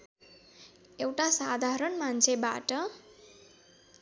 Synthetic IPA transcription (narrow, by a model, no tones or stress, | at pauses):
ewʈasad̪ʱaɾʌɳmant͡sʰeba̰ʈʌ